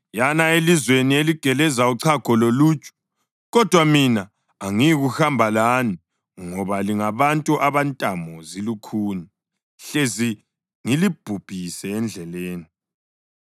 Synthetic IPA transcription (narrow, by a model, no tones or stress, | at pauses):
janaelizwenieliɡ̥ʱɛlɛzauǀʰaɡ̥ʱɔloluːt͡ʃʼu̥ | ɣɔd̥ʱwaminaː | ŋiɣuhambʱalaːni | ŋɔβaliŋaβantʼuʔaβantʼamɔzilukʰuːni | ɬezi | ŋilib̥ʱub̥ʱisɛːnd͡ɮʱɛleːni